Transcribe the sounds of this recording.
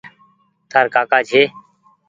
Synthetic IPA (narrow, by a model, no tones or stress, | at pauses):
t̪aːɾkaːkaːd͡ʒʱeː